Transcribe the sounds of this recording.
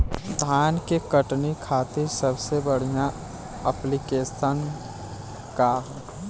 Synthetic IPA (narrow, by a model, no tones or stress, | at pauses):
d̪ʱaːnkekəʈnikʰaːt̪iɾsəbsebəɽ̤ijã | əplikeːsən | kaɦ